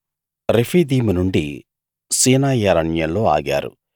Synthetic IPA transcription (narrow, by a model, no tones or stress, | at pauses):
ɾepʰiːd̪iːmunuɳɖi | siːnaːjɐɾɐɳjɐlo̞ːa̰ːɡa̰ːɾṵ